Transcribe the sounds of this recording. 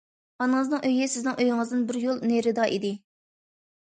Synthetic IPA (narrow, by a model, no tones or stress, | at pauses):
ɑnɨŋəznɨŋʔøjɪsɪznɪŋʔøjɪŋɨzd̪ɪnbɪɾjolˠneɾɪd̪ɑʔid̪ɪ